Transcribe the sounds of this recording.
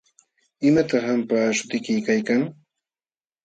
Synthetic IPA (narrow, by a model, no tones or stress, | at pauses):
ɪmat̪ɑχampaːʃʊ̥t̪ɪkɪjkajkaŋ